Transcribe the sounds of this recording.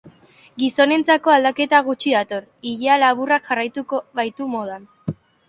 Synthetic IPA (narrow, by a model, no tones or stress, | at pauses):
ɡiso̞ne̞nt͡sako̞ald̪ake̞t̪aɣut͡ʃiðat̪o̞riʎealaβurakʝarajt̪ukoβajt̪umo̞ð̞an